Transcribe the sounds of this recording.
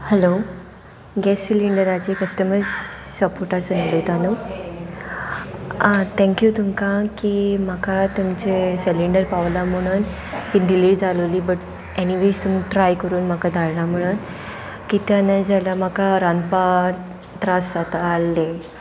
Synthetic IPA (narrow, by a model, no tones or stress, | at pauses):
hɛlo | ɡɛsːiliɳɖəɾat͡ɕekəsʈəməɾzsəpoɾʈasənalət̪ano | t̪ʰɛ̃ŋkjut̪umkakim̤akat̪umt͡ɕeseliɳɖəɾpaʋlam̤əɽ̃uːn | kiɖiliʈd͡zaləʋliːbəʈ | eñiʋest̪umiʈɾajkəɾuːnm̤akad̪ʱaɭlam̤əɽ̃uːn | kit̪janad͡zalam̤akaɾanpa | t̪ɾasat̪aːlːe